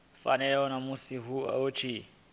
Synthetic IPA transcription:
fa̰nɛɔnamusiɦua̰ot͡ʃʰi

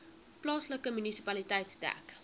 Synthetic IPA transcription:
plɑːsləkəmynisipɐlitɛjtsdæ̰k

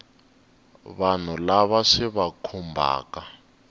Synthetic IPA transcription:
βan̤ulaβaʂiβakʰumbʱa̰ːka

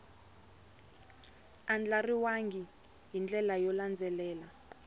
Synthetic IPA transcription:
and͡ɮariwaŋɡi | jind͡ɮɛlajɔland͡zʱɛlɛːla

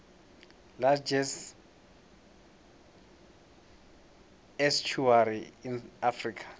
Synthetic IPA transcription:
lad͡ʒɛs | ɛst͡ʃʰuaɾiinafrikʰḁ

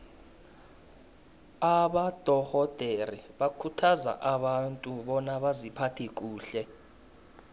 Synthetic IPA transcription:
aɓad̥ʱɔhɔd̥ʱeriɓakʰutʰaza̰ʔaɓantʼuɓɔnaɓazipʰatʰik̬ʼuːɬɛ

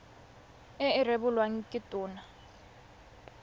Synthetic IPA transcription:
ɪɪrebʊlwaŋ̩kʼɪtʼʊːna

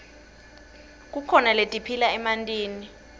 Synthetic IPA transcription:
k̬ʼukʰɔnaletʼipʰilaɛmantʼiːni

